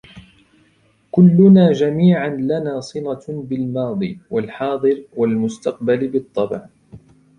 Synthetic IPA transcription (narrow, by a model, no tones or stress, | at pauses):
kʊlːʊnaːd͡ʒamiːʕanlanaːsˤɨlabɪlmɑːd̪ˤḭːwalħɑːd̪ˤɨɾwalmʊst̪ɑq̚balɪbɨt̪ˤːɑbʕ